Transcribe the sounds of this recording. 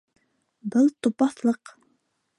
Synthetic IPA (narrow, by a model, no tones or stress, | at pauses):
bɪlˠt̪ʰopɑθlˠɤq